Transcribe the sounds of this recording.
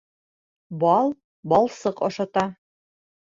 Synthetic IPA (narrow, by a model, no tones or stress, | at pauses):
bɑlˠ | bɑlˠsɤqɒʃɑt̪ɑ